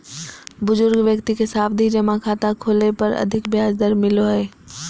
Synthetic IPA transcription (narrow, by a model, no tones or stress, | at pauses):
bʊzʊɾɡʋjəkt̪ikesaːb̚d̪ʱid͡ʒɐmãkʰaːt̪akʰoːlepɐɾɐ̰d̪ʱɪkbɪjaːzd̪əɾmɪloɦeː